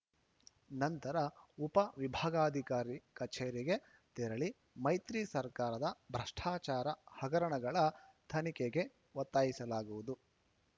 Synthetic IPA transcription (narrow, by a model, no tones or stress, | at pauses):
nɐnt̪ɐɾɐupɐʋibʱaːɡaːd̪ʱikaːɾikɐt͡ʃeːɾiɡe̞ | t̪ɛɾɐɭi | mɐjt̪ɾisɐɾkaːɾɐd̪ɐbʱɾɐʂʈʰaːt͡ʃaːɾɐhɐɡɐɾɐɳɐɡɐɭɐt̪ʰɐnikeɡe̞ | ʋɔt̪ːaːjisɐlaːɡuʋud̪u